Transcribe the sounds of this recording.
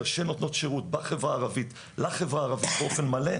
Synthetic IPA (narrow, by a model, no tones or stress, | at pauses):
ʁʃeno̞tno̞tʃeʁut̪̚baχevʁaːʁavit̪ | laχe̞vʁaːʁavit̪beo̞fe̞nmale̞